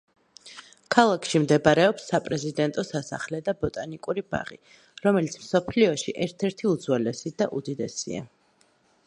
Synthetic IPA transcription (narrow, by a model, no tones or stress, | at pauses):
kʰalˠakʰʃimd̪ɛbaɾɛɔpsːapʼɾɛzid̪ɛnt̪ʼɔsasa̰χlɛd̪abɔt̪ʼanikʼuɾiba̰ʁḭ | ɾɔmɛlit̪sʰmsɔpʰliɔʃiʔɛɾt̪ʰɛɾt̪ʰiud̪zwɛlɛsid̪aʔud̪id̪ɛsḭa̰